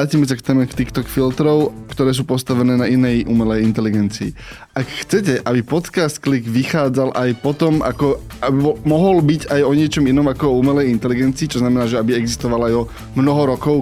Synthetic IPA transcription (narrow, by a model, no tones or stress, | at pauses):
aːcimɛs̬akt̪ɛːmɛkt̪ikt̪ɔkfilt̪ɾɔʊkt̪ɔɾɛːs̬uːpɔst̪aʋɛnɛːnainɛjʔumɛlɛjint̪ɛliɡɛnt͡siː | akxt͡sɛcɛʔabipɔt̪kast̪̚kliɡʋixaːd͡zalʔajpɔt̪ɔmʔa̰kɔ | abɔmɔɦɔlbicajɔɲɪɛt͡ʃɔminɔmakɔɔuːmɛlɛjint̪ɛliɡɛnt͡siːt͡ʃɔznamɛnaːʒɛabiɛɡzist̪ɔʋalajɔ | mnɔɦɔɾɔkɔʊ